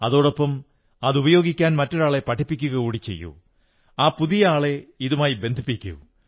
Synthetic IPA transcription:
ɐðo̞ːɽopːɐm | ɐðubɐjo̞ːɡikʲːaːnmɐtːoɽaːɭe̞pɐʈʰːipːikʲːuɣɐkuːɽit͡ɕːe̞̰jːṵ | aːpuðijɐaːɭeiðumaːjibe̞nd̪ʱipːikʲːṵ

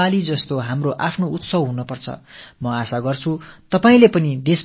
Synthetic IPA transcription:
alid͡zʌst̪oɦamroʔapʰnout̪sʌbɦunʌpʌrt͡sʰʌ̰mʌasaɡʌrt͡sʰut̪ʌpaĩlepʌnid̪es

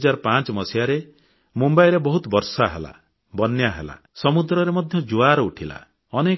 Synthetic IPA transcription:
d͡ʒaɾpãt͡ʃmɔsiaɾe | mumbajɾebɔɦut̪bɔɾsaɦela̰ | bɔnjaɦḛla̰ | sɔmud̪ɾɔɾemɔd̪ʱjɔd͡ʒuaɾɔuʈʰila̰ | ɔne

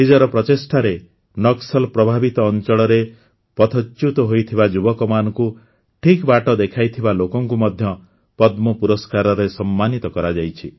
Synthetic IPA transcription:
ɦid͡ʒɔɾɔpɾɔt̪esʈʰaɾe | nɔksɔlpɾɔbʱabit̪ɔːnt͡ʃɔɽɔɾe | pɔt̪ʰɔt͡ʃːut̪ɔɦojt̪ʰibad͡ʒubɔkɔmanɔku | ʈʰikbaʈɔd̪ekʰajt̪ʰibalokɔŋkumɔd̪ʱjɔ | pɔd̪mɔpuɾɔskaɾɔɾesɔmːanit̪ɔkɔɾad͡ʒajt͡ʃʰi

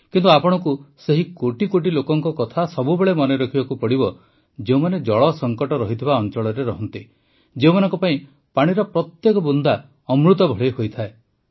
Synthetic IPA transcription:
kint̪uapɔɽ̃ɔkuseɦikoʈikoʈ̬ilokɔŋkɔkɔt̪ʰasɔbubeɭemɔneɾɔkʰibakupɔɽibɔ | d͡ʒeumaned͡ʒɔɭɔsɔŋkɔʈɔɾɔɦit̪ʰibaɔnt͡ʃɔɭɔɾeɾɔɦɔnt̪i | d͡ʒeumanɔŋkɔpaĩ | paɽ̃iɾɔpɾɔt̪jekɔbund̪a | ɔmɾut̪̬ɔbʱɔɭeɦojt̪ʰae

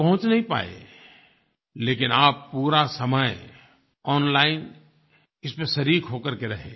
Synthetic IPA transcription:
pɐɦʊ̃t͡ʃnɐɦĩpa̰ːḛ | leːkɪnaːpːuːɾasɐməj | ɔːnlaːɪn | ɪspẽʃɐɾiːkɦoːkəɾkeɾɐɦḛː

